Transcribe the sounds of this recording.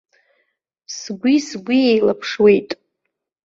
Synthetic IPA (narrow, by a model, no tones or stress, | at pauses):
sɡʷisɡʷiejlapʰʂwe̞jtʼ